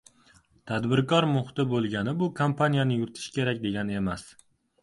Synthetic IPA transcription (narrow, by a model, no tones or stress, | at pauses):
t̪ʰad̪bɪɾkʰɒɾmʊχɪt̪ɪbolˠɡʲanɪbʊkʰompʰanijanɪjʊɾɪt̪ʰɪ̥ʃkʲʰe̞ɾakʲd̪e̞ɡʲane̞mas